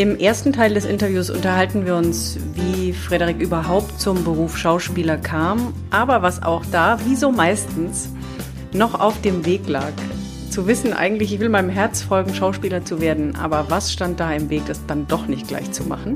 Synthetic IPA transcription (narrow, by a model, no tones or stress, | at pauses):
ʔɪmʔeːɐstn̩tʰaɪldɛsʔɪntɐvjuːsʔʊ̰ntɐɦaltn̩viːɐʊns | viːfʁ̥ɛɾəʁikʔyːbɐɦaʊp̚tt͡sʊmbəʁuːfʃaʊʃpiːlɐkʰaːm | ʔaːbɐvasa̰ʊxd̥aːviːzoːmaɪstn̩s | nɔχa̰ʊfd̥eːmveːkla̰ːk | t͡suvɪsn̩ʔa̰ɪɡŋ̩tlɪçɪçv̥ɪlmaɪnəmɦɛɐt͡sfɔlɡŋ̩ʃaʊʃpiːlɐt͡suveːɐdn̩ʔa̰ːbɐvasʃtant̚d̥aːɪmveːk̚d̥asd̥andɔχnɪçt̚ɡ̥la̰ɪçt͡suma̰χn̩